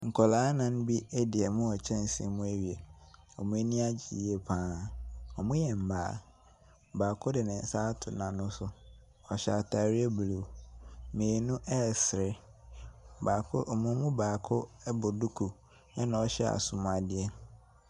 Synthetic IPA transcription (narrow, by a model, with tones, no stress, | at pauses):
ŋ̩˨kʰɔ˨laː˨˦nã˨ñ˦bi˦ɛ˦dɪ˨ɛ˨mʊ̃˦ɔ˨t͡ɕʰɛ̃˦n̩˨sḭ̃˨˦mũ˦e˦ɥi˨ɛ˨ | ɔ˨mũ˦e˦nĩ˦a˦d͡ʑḭ˨˦e˦pʰãː˦ɔ˨mũ˦jɛ˨m̩˨baː˨ | baː˨kʰʊ˦dɪ˨nɪ̃˨n̩˨saː˦tʰʊ˨nã˨nʊ̃˦sʊ˨ | ɔ˨ɕa˨tʰa˨ɾi˦ɛ˦blu˨mẽː˨nʊ̃˦ʔɛː˦sɪ˨ɾɪ˦˨ | baː˨kʰʊ˦ʔɔ˨mʊ̃˦mũ˦baː˨kʰʊ˦bʊ˨du˦kʰu˨ | ɛ˦nã˨ɔ˨ɕɛ˦a̰˨sʊ̃˨m˨a˨dɪ˦ɛ˦